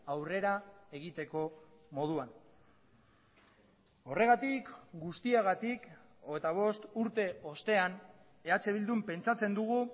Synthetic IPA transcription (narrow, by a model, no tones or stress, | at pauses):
awre̞ɾae̞ɣ̞it̪e̞ko̞mo̞ð̞uan | o̞re̞ɣ̞at̪ikɡust̪iaɣat̪ik | oɣet̪aβ̞o̞st̪uɾt̪e̞o̞st̪e̞an | e̞at͡se̞β̞ild̪umpe̞nt͡sat͡se̞nd̪uɣ̞u